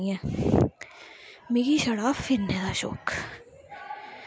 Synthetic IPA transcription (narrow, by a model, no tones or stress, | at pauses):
ɛ̃ː | meːɡiʃɐɽaːfːɪɾnɦɛd̪aːʃo̰ːk